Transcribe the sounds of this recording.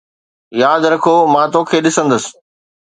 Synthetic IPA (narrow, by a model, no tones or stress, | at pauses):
jaːd̪ɾɐkʰoːmãːt̪oːkʰeːɗɪsə̃nd̪əs